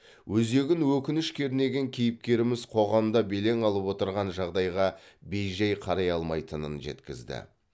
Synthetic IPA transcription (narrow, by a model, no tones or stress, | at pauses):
wʔɵze̞ɡʲɪnwɵkʲɪnɪʃkʲʰe̞ɾne̞ɡʲe̞ŋkʲʰijɪp̚kʲe̞ɾɪmɪzqʰo̞ʁɑmd̪ɑbe̞le̞ŋɑlˠəpwo̞t̪əɾʁɑnʒɑʁd̪ɑjʁɑbe̞jʒɑjqʰɑɾɑjɑlˠmɑjt̪ənənʒe̞̰t̪kʲɪzd̪ɪ̰